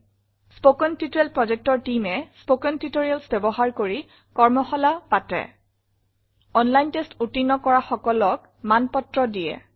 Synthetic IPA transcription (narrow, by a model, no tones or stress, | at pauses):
spokɔntitoɹɛlpɹɔd͡ʒɛk̚tɔɹtimɛspokɔntitoɹialsbɛbɔɦaɹkoɹi | kɔɹmɔxɔlapatɛ̰ | ɔnlajntestutinːɔkɔɹaxɔkɔlɔk̚ | manpɔtɹɔdijɛ̰